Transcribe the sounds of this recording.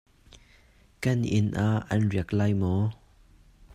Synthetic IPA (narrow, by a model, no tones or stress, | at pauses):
kɐnʔɪnʔaʔɐ̰nriəklaːjmɔ